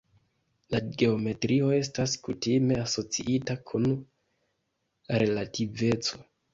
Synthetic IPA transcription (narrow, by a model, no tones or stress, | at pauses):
laɡe̞o̞me̞tɾio̞e̞staskutime̞aso̞t͡sḭʔitakʰun | ɾe̞lative̞t͡so̞